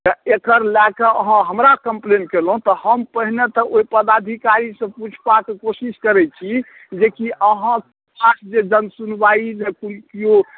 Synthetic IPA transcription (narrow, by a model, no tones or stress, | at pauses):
t̪əekəɾlakəəɦãɦəmɾakəmplenkelɦũt̪ɔhəmpəɦinet̪ɔʔoipəd̪ad̪ʱikaɾisə̃put͡ʃʰbakekosiskəɾɛt͡ʃʰi | d͡ʒekiʔəɦã | kʰasd͡ʒed͡ʒənsunbaid͡ʒekulkio